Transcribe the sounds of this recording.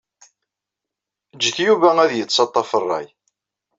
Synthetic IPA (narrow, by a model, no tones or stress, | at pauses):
d͡ʒːəθjuvææðjət͡sːsɑt̪ˤːɑfərˤːɑ̰j